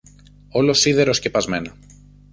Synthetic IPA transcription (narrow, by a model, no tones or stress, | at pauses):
o̞lo̞siðe̞ɾo̞sce̞pɐzme̞nɐ